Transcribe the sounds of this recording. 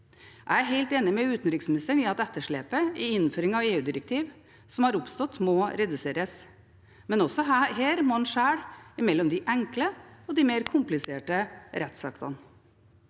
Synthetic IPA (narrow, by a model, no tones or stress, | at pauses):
ʔææɦæɪlt̪eːnɪmɛʉːt̪n̩ɾɪksmɪnɪst̪əɳniɑt̪ɛt̪ːəʂɭeːpəɪɪnːføːɾɪŋɑʋeːʉːd̪ɪɾəkt̪ʰiːʋ | sɔmhɑɾʊpst̪ɔt̪ːmɔɾɛd̪ʉseːɾəs | mɛnɔsɔɦeːɾmoːhɑnʂæːɽɪmɛlːɔmd̪ɪʔɛŋkləɔd̪imeɾkʰʊmplɪseːʈəɾɛt̪sɑ̰kt̪ʰɑ̰n